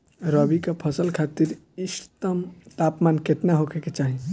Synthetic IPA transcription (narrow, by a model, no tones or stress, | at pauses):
ɾɔbikapʰəsəlkʰat̪iɾ | ist̪əmt̪apmankeʈnaɦokʰeket͡ʃaɦi